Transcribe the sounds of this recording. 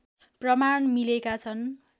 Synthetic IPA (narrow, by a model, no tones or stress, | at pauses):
prʌmaɳmilekat͡sʰʌn